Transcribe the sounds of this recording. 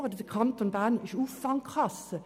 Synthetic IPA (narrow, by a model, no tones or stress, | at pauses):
ʁədədəkʰɑntonbaːnɪʃuːfɑŋkχɑsə